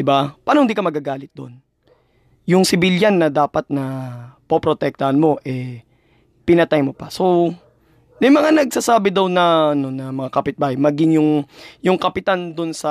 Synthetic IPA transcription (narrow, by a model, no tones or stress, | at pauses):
d̪ɪbapaːnohɪnd̪iːkɐmɐɡaɡaːlɪt̪̚d̪o̞̰n | jʊŋsɪbɪljanːɐd̪aːpɐt̪̚nɐpopɾot̪ɛk̚t̪ɐhɐnmo̞ʔɛ | pɪnɐt̪ajmopɐso̞ | mɐjmɐŋanɐɡ̚sasaːbɪd̪ɐwnɐɐno̞nɐmɐŋakɐpɪt̪̚baːhɐjmɐɡɪŋjʊŋjʊŋkɐpɪt̪and̪onsɐ